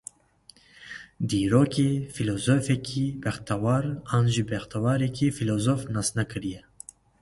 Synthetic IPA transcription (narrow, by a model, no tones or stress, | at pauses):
d̪iːɾoːkefilozoːfɛkʰibɛxt̪awɑːɾɑːnʒibɛxt̪ʰawaːɾekʰifiloːzoːfnɑsnɛkʰɨɾijɛ